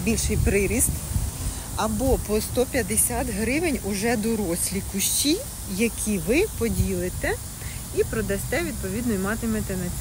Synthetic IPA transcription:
bʲilʲʃɪjpɾɪɾʲist̪ | ɐbɔpɔst̪ɔpʲjɐd̪esʲat̪ɦɾɪʋɪnʲʊʒɛd̪ɔɾɔsʲlʲikʊʃt͡ʃi | jɐkʲʰiʋɪpɔdʲilˠɪt̪ɛ | ipɾɔd̪ɐsʲt̪ɛʋʲid̪̚pɔʋʲid̪nɔjmɑt̪ɪmɛt̪ɛnɐt͡sʲ

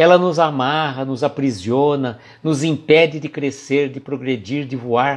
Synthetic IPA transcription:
ɛlɐnʊzamaɦɐnʊzapɾiziõnɐ | nʊzĩpɛdɪd̪ɪkɾeseɾd̪ɪpɾoɡɾed͡ʒiɾd̪ɪvuaɾ

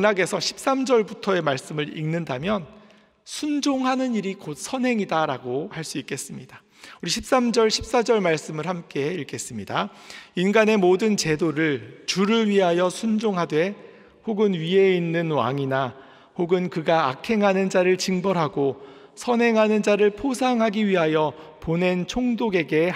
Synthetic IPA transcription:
anaɡe̞sʰʌɕʰi̥p̚s͈amd͡ʑʌɭbutʰʌe̞maɭs͈ɯmɯɾḭŋnɯndamjʌn | sʰund͡ʑoŋɦanɯniɾikot̚sʰʌnɦe̞ŋidaɾaɡohaɭs͈uik͈e̞s͈ɯmɲid̥a | uɾiɕʰip̚s͈amd͡ʑʌɭɕʰi̥p̚s͈ad͡ʑʌɭmaɭs͈ɯmɯɭhamk͈e̞iɭk͈e̞s͈ɯmɲidainɡane̞modɯnt͡ɕe̞doɾɯɭt͡ɕuɾɯɭɥiɦajʌsʰund͡ʑoŋɦadwe̞ | hoɡɯnɥie̞inːɯnwa̰ŋina | hoɡɯnkɯɡaːkʰe̞ŋɦanɯnd͡ʑaɾɯɭt͡ɕiŋbʌɾɦaɡo | sʰʌnɦe̞ŋɦanɯnd͡ʑaɾɯɭpʰosʰaŋɦaɡiɥiɦajʌpone̞nt͡ɕʰoŋdoɡe̞ɡe̞

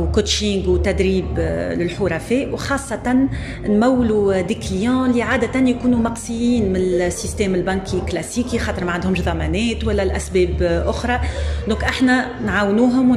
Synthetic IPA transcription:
wkʊt̪ʃiŋɡwt̪æd̪ɾiːblɪlħʊɾˤɑfɛːʔwxɑːsˤːɑt̪ɑn | nmæwːlud̪ikljɑ̃ːliʕaːd̪æt̪ænjkuːnumɑqsˤɨjiːnmɪnɪlsːist̪ɛːmɪlbɑnkʰiklæsiːkixɑːt̪əɾmaʕand̪hʊmʃðˤɑmæːnɛːt̪wælːɛlʔæsbɛːbʔʊxɾˤɑd̪ɔ̃ːkʔɪħnæ | nʕaːwnuːɦʊm

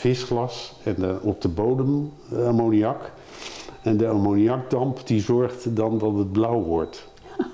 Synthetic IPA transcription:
fɪsχlɑsɛnɔp̚dəbowdəm | amoniɑk | ɛndəamoniɑɡ̚dɑmpdizɔɹχtdɑndɑtəd̚blʌwʋɔɹt

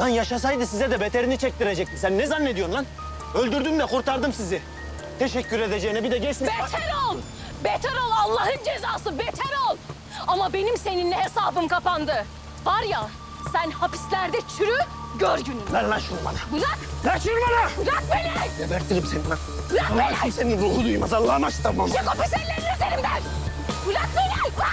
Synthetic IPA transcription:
d̪anjaʃas̬ajd̪ɯsizɛd̪ɛbet̪ʰeɾinit͡ʃʰɛc̚t̪iɾed͡ʒɛc̚t̪imsænːɛzanːe̞d̪ijo̞ɾlˠan | ølʲd̪yɾd̪ymd̪ɛkuɾt̪aɾd̪ɯmsizi | t̪ʰe̞ʃɛcʰːyɾe̞d̪ed͡ʒejinɛbid̪ɛɟɛt͡ʃsibet̪ʰɛɾolˠ | bet̪ʰeɾolˠalˠːahɯnd͡ʒezaːsɯbet̪ʰɛɾolˠ | amabe̞nimse̞ninlʲɛɦesaːbɯmkʰapand̪ɯ | vaɾja | sænhapi̥slʲæɾd̪ɛt͡ʃʰyɾyɟøɾɟynybænlaʃuɾma̰nabulaklaʃuɾmanabulakmelʲæɾjabɛɾt̪ʰiɾimsenina | ulakemseninɾuːhud̪ujmazalˠːamat͡ʃt̪ʰamamoapisɛlːʲenlʲɛd̪eɾimd̪æɾ | bulakmelæj

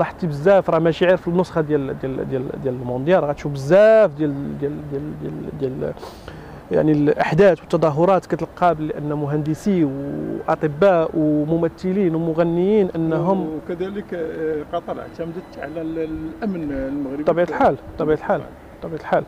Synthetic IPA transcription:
ɾˤɑħt̪ːibəzːæfɾˤɑhmæʃʕiɾfənːosˤxɑd̪jæld̪jæld̪jæld̪jæləlmond̪jɑɾˤɣæt̪ʃubəzːæfd̪jæld̪jæld̪æld̪æld̪jæl | ja̰ʕnilʔaħd̪æt̪wət̪ːɑd̪ˤɑɦʊɾˤɑt̪kæt̪əlqɑblːiʔənːæmʊɦænd̪əsiwʔɑt̪ˤəbːæʔwmʊmæt̪ːəlinwmʊɣænːəjinʔənːɦʊmkəd̪æləkqɑt̪ˤəɾ̰ʕt̪æmd̪ət̪ʕa̰lælʔæmnlməɣɾəˤɑbiʕt̪lħalt̪ˤːɑbiʕt̪lħal | t̪ˤːɑbiʕt̪lħal

